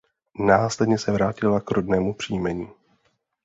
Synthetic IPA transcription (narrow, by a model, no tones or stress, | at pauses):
naːslɛdɲɛsɛvɾaːcɪlakɾodnɛːmupr̝̥iːjmɛɲiː